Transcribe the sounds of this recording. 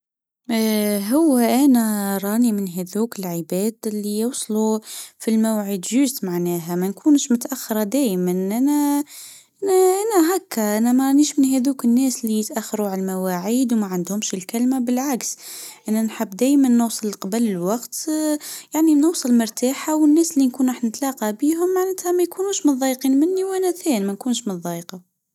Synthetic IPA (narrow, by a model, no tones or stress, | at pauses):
ɦʊwːæʔænæɾˤɑːnimɪnɦæðuːkɪlʕəbæːd̪ɪlːijowsˤlufilmawʕid̪ʒʊzt̪maʕnæːɦæmænkuːnʃmʊt̪ʔaxːɑɾˤɑd̪æːjmænʔænæ | ʔænæʔænæɦakːaʔænæmæɾˤɑniːʃmɪnɦæðuːkɪnːæːsɪlːijɪt̪ʔaxːɑɾuʕalmawaʕiːd̪wmæʕand̪hʊmʃɪlkælmabɪlʕaksʔænːænħəbːd̪æːjmænːʊwsˤɨlqɑbəlɪlwɑqt̪jaʕninʊwsˤɨlmʊɾˤt̪aːħawənːæːsɪlːinkuːnɑħnnət̪lɑqɑbiːɦʊmːaʕnæt̪hæmæjkunuːʃmʊnðˤɑjqiːnmɪnːiwʔænæθæːnmænkuːnʃmʊnðˤɑjqɑ